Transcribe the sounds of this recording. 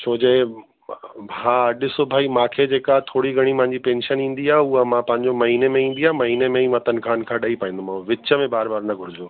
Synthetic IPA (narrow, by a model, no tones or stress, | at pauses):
t͡ɕʰoːd͡ʑeː | ɦãːɐɗɪsʊbʱaːimãːkʰed͡ʑeːkat̪ʰoːɽiɡʱɐɽ̃ipɐ̃ɦɪ̃ɲ̆d͡ʑipẽːnʃənĩːn̆d̪iaːuəmãpɐ̃ɦɪ̃ɲd͡ʑomɐɦiːnemẽĩːnd̪iaːmɐɦiːnemẽĩʋɐt̪ənɪ̆kʰãːn̆kʰãːɗɐipaːĩːn̆d̪omãʋɪt͡ɕəmẽbaːɾbaːɾnɐɡʱʊɾɪd͡ʑoː